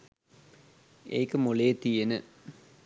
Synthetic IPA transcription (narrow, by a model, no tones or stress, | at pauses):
ḛːkəmoleːt̪ijenə